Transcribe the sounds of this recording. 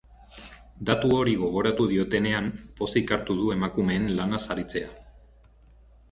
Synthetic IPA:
d̪at̪uo̞ɾiɣ̞o̞ɣ̞o̞ɾat̪uðio̞t̪e̞ne̞ampo̞sikaɾt̪uðue̞makume̞ːnlanasaɾit͡se̞a

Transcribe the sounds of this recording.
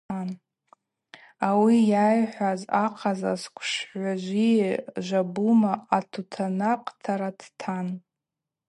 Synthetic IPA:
an | awijajħʷazaqʰaza̰skʷʰʼʂħʷaʒʷiʒʷabumaatʰutʰanaqʼtʰaɾatʰtʰan

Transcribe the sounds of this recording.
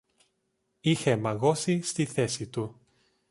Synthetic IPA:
ixemɐɣo̞sist̪iθe̞sit̪u

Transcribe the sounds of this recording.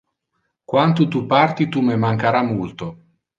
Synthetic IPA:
kwant̪ut̪upart̪it̪umemaŋkaɾamult̪o

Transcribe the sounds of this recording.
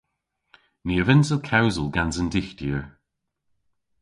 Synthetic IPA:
niəvɪnsəlˠkʰawzəlˠɡanzəndɪxtiəɹ

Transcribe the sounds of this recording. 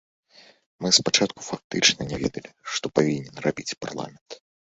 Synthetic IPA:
mɨspat͡ʂat̪̚ku̥fak̚t̪ɨt͡ʂnɐnʲɛvʲɛ̰d̪ɐlʲiʂt̪ɔpavʲinʲɛnrabʲit͡sʲpa̰rlˠa̰mʲɛnt̪

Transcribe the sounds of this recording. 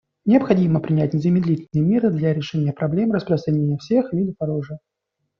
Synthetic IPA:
nʲɪɐpxɐdʲiməpɾʲɪnʲætʲnʲɪzəmʲɪd̪lʲitʲɪlʲnɨjəmʲiɾɨd̪lʲaɾʲɪʂɛnʲɪjəpɾɐblʲe̞mrəspɾəst̪ɾɐnʲenʲɪjəfsʲe̞xlʲid̪əpɐɾoʐɨ

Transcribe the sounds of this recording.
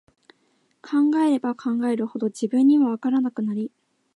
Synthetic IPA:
kʰãŋɡae̞ɾe̞bakʰãŋɡae̞ɾɯ̟ho̞d̪o̞d͡ʑibɯ̟̃ɲ̟ːiβaβ̞akaɾanakɯ̟naɾʲi

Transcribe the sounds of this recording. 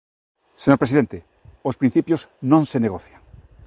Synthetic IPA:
seɲoɾpɾesiðent̪e | ospɾĩn̟θipjoznõnseneɣ̞oθjaŋ

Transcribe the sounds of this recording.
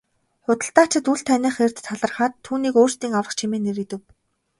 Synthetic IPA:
χʊt̪ə̆ɬt̪aːt͡ɕɪ̆t̪uɮt̪ʰænʲiːχer̥t̪ʰːaɮə̆rχaːt̪ʰːuːniːkoːr̥st̪iːŋawə̆χt͡ɕʰimeːneɾɘ̆t̪ɘ̆w

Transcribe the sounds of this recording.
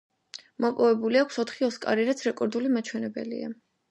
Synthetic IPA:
mɔpʼɔvɛbuliakʷʰsɔt̪ʰχiɔskʼa̰ɾiɾat̪sʰɾɛkʼɔɾd̪ulimat͡ʃʰwɛnɛbɛ̰lḭa̰

